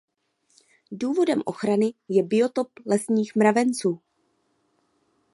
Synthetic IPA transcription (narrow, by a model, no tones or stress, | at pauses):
duːvo̞dɛmʔo̞̰xɾanɪjɛbɪo̞t̪o̞plɛsɲiːxmɾavɛnt͡suː